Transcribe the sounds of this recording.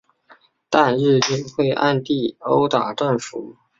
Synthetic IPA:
t̪a˥˧nɻɻ̩˥˧i˥nxwe˥˧ɪʔa̰˥˧nt̪i˥˩o˧˥ʊt̪a˨˩ʈ͡ʂə˥˩nfu˨˩˦

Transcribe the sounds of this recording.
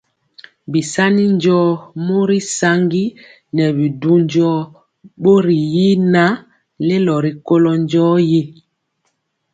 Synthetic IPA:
bi˨sa˦ni˦nd͡ʒɔː˦mo˦ɾi˦sa˦ŋɡi˦ | nɛ˨bi˨du˦ɲd͡ʒɔː˦ | ɓo˦ɾi˨ji˦na˦ | le˦lɔ˨ɾi˨ko˦lɔ˦nd͡ʒɔ˦ji˦

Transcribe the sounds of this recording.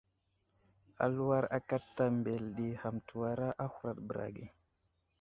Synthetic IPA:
a̰˨lu˦wa˦ɾa̰˦ka˦tːa˦mbe˨lɗi˨ha˨mtʰu˨wa˨ɾa˦ʔa˦hu˦ɾa˨ɗbə˨ɾa̰˨ɡi˦˨

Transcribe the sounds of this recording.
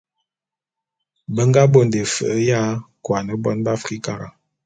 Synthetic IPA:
bə˦ŋɡa˦bo˦˨n˨de˨fə˨ʔə˦ja˦kwa˨nə˨bɔ˦nba˦fi˦ka˨ɾa̰˨

